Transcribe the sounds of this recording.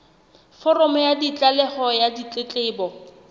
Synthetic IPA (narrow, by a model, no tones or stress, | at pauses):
fɔrɔmɔjadit͡ɬʼalɛχɔjadit͡ɬʼɪt͡ɬʼɪːbɔ